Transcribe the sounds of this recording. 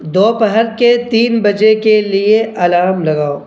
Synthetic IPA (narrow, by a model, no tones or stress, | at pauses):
d̪oːpəɦəɾket̪iːnbɐd͡ʒekelieʔɐlaːɾmlɐɡaːoː